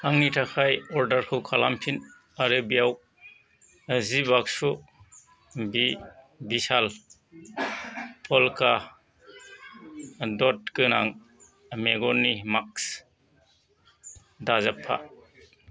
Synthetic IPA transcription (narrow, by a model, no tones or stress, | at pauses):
aŋnitʰakʰajɔɾdəɾkʰɯwkʰalampʰin | aɾɯbijaw | zibaksu | bi | bisal | pʰɔlkʰa | dɔt̚kɯnaŋ | meɡɔnːimaks | dazapʰa̰